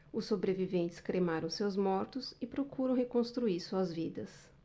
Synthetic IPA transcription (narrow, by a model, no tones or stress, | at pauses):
ʊsːobɾevivẽnt͡ʃɪ̥skɾemaɾɐ̃w̃sewzmɔɾt̪ʊsɪpɾokuɾɐ̃w̃hekõst̪ɾuiɾsuɐzvid̪ɐs